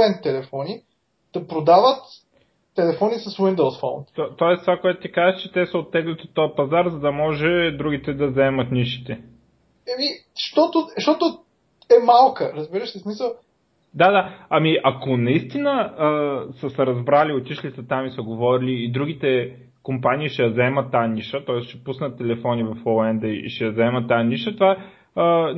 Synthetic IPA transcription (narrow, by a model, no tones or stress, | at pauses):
ɛnt̪ːɛlɛfɔni | d̪̥ɐpɾod̪avət̪ː | ɛlɛfɔnisɐswind̪olˠsfɔ̰nt̪ɔt̪ɔɛst̪vakoɛt̪ʊ̥t̪ikazət͡ʃɛt̪ɛsɐot̪ːɛɡlɛt̪iot̪ːɔjəpɐzaɾzɐd̪ɐmɔʒɛd̪ɾuɡ̟it̪ɛd̪ɐzɛmət̪niʃi̥t̪ɛ | ɛmiʃt̪ɔt̪ʊʃt̪ɔt̪ʊ | ɛmalˠkəɾəzbiɾəʃsɛsmisəlˠ | d̪ad̪aɐmiʔɐkonɐist̪inəəsəsɛɾɐzbɾaliot̪ʲiʃlisət̪amisəɡovɔɾiliːd̪ɾuɡ̟it̪ɛ | kompanʲiːʃɛjɐzɐɛmɐt̪ːaɐniʃət̪ɔɛsʃɛ̥pusnət̪ːɛlɛfɔnivɐfolˠɛnd̪ɐiḭʃɛjɐzɐɛmɐt̪ːajɐniʃət̪ovaɛ | ə